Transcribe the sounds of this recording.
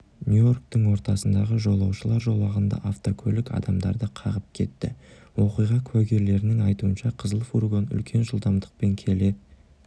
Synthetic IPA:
nʲjujo̞rk̚t̪əŋwo̞ɾt̪ɑsənd̪ɑʁəʒo̞lˠɑwʃəlˠɑɾʒo̞lˠɑʁənd̪ɑ̰ʔaft̪okʲʰɵlɪkɑ̰d̪ɑmd̪ɑ̰ɾd̪əqʰɑʁəp̚kʲʰe̞̰t̪ːɪ̰wo̞qijʁɑkʲʰwæɡʲe̞ɾle̞ɾɪnɪŋɑjt̪uənʃɑqʰəzəlˠəfuɾɡonʏ̰lkʲʰe̞nʒəlˠd̪ɑmd̪əq̚pe̞ŋkʲʰe̞le̞d̪ɪ

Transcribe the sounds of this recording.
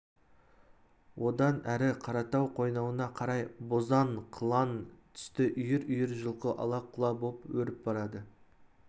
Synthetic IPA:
wʔo̞d̪ɑnæɾɪqʰɑɾɑt̪ɑwqʰo̞jnɑwənɑqʰɑɾɑjbozɑɴqʰəlˠɑnt̪ʰʏ̥st̪ɪʔʏjɪɾʏjɪɾʒəlˠqəʔɑ̰lˠɑqʰʊlˠɑbopwɵɾɪp̚bɑɾɑd̪ə

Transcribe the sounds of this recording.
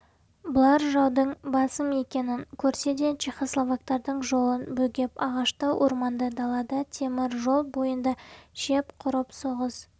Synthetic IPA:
bʊlˠɑɾʒɑwd̪əɴbɑsəme̞kʲe̞nɪŋkʲʰɵɾse̞d̪e̞t͡ʃʰijχoslˠovak̚t̪ɑɾd̪əɴʒo̞lˠənbɵɡʲe̞pɑʁɑʃt̪əwʔo̰ɾmɑnd̪əd̪ɑlˠɑd̪ət̪ʰe̞mɪɾʒo̞lˠbojənd̪ɑʃe̞pqʰʊɾəpso̞ʁəz

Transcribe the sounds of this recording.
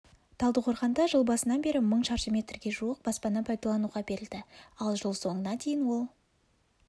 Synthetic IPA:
t̪ʰɑlˠd̪əqʰo̞ɾqɑnd̪ɑʒəlˠbɑsənɑnbe̞ɾɪməɴʃɑɾʃəmʲe̞t̪rɡʲe̞ʒuəq̚bɑspɑnːɑpʰɑjd̪ɑlˠɑnuʁɑbe̞ɾɪld̪ɪɑlˠʒəlˠso̞ɴənɑd̪e̞jɪnwo̞lˠ

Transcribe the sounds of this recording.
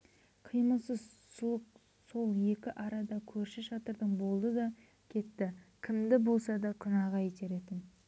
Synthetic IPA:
qʰijməlˠsəzsuəq | so̞lˠje̞kʲɪʔɑɾɑd̪ɑkʲʰɵɾʃɪʃɑt̪əɾd̪əɴbo̞lˠd̪əd̪ɑ | kʲʰe̞t̪ːɪkʲʰɪmd̪ɪbo̞lˠsɑd̪ɑqʰʊnɑʁɑjet̪e̞ɾe̞t̪ɪn

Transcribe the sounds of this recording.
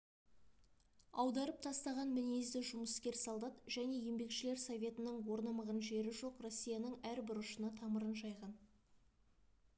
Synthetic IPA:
ɑwd̪ɑɾəp̚t̪ʰɑst̪ɑʁɑnmɪnejzd̪ɪʒʊməskʲe̞ɾsɑlˠd̪ɑt̪ʒ̥æne̞je̞mbe̞kʃɪle̞ɾsovʲe̞t̪ɪnəɴwo̞ɾnɑməʁənʒe̞ɾɪʒo̞qro̞sʲːijanəɴæɾbɪɾʊʃənɑt̪ʰɑməɾənʒɑjʁɑn

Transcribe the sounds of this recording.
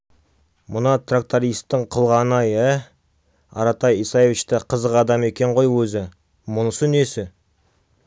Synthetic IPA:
mʊnɑt̪rak̚t̪aɾijst̪ːəɴqʰəlˠʁɑnɑjə | ɑ̰ɾɑt̪ɑjisaje̞vʲit͡ʃt̪ɪqʰəzəqɑd̪ɑme̞kʲe̞ɴʁo̞jwɵzɪ | mʊnəsəne̞sɪ

